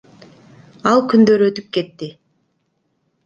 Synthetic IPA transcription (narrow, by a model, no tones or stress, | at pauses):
ɑlˠkynd̪ø̞ɾø̞t̪yp̚ke̞t̪ːi